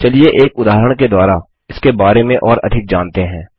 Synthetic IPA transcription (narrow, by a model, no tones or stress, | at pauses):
t͡ʃɐlieʔeːkʊd̪aːɦɾəɽ̃ked̪waːɾa | ɪskebaːɾemẽʔɔːɾɐ̰d̪ʱɪk̚d͡ʒaːnt̪eɦɛ̃ː